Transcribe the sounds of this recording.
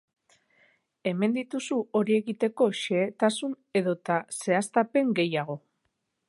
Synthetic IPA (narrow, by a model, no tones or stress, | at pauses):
e̞me̞nd̪it̪usuo̞ɾie̞ɣit̪e̞ko̞ʃe̞t̪asun | e̞ðo̞t̪ase̞ast̪ape̞ŋɡe̞jaɣ̞o̞